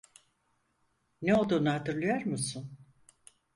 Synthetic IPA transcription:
neo̞lˠd̪uːnuɦat̪ɯɾlˠɯjoɾmɯsun

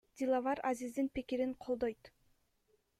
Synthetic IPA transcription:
d̪ʲilˠavɑɾazizd̪inpikiɾiɴqʰo̞lˠd̪ojt̪

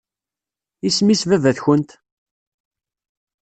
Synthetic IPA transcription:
ismisvævæðçənt̪

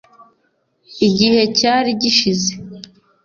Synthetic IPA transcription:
iɟihe̞caːɾiɟiʃize

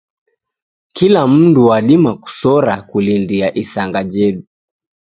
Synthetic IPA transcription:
kilam̩nduwaɗimaku̥sɔɾakulindiaʔisaŋɡad͡ʒɛɗu

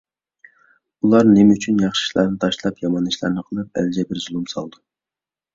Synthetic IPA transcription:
ulˠɑɾnɪmyt͡ʃʰynjɑχʃi̥ʃlˠɑ̰ɾnɨt̪ʰɑʃlˠɑpjɑmɑnːɨʃlˠɑ̰ɾnɨqʰəlˠɨp̚æ̰ld͡ʒɛbɪɾzulˠumsɑ̰lˠd̪u

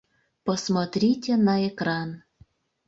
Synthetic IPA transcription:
posmot̪ɾʲitʲenɑekrɑn

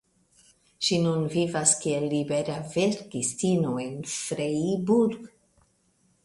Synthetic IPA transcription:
ʃinunvivaskielːibeɾaveɾɡistinoenfɾeibuɾɡ

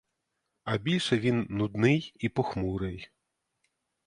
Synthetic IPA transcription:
ɐbʲilʲʂɐvʲinːud̪nɨjipɔxmuɾɨj

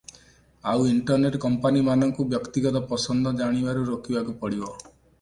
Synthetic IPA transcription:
awiɳʈɔɾneʈkɔmpanimanɔŋkubjɔkt̪iɡɔt̪ɔpɔsɔnd̪ʱɔd͡ʒaɽ̃ibaɾuɾokibakupɔɽibɔ

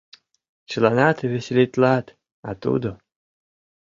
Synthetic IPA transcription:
t͡ʃlˠanat̪ɨvʲesʲelʲit̪ʲlˠat̪ | at̪ṵd̪o

